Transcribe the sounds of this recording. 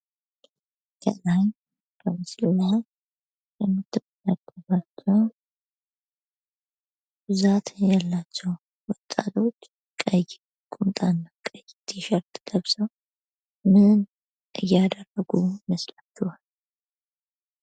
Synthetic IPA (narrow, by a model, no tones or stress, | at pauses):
kʰə̰laɲ | bəmɨslːah | jɛmːɨt̪ʰːɨfənəɡəβat͡ʃːɛw | bɨzat̪ʰjalːat͡ʃːɛw | wɔt̪ʼːa̰t̪ʰo̞t͡ʃː | kʼəj | kʼunt̪ʼanːəkʼəjt̪ʰːiʃəɾt̪ʼɡ̥əβsəw | mɨn | ʔɨjːad̪ərːəɡuməslat͡ʃːuhal